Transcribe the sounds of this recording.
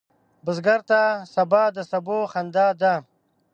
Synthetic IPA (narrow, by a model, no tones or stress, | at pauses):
bəzɡaɾt̪asabaːd̪əsaboxand̪aːd̪a